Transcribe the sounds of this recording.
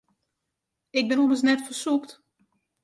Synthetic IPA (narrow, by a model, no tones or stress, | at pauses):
ɪɡ̚bɪnuməs̬nɛtfərsukt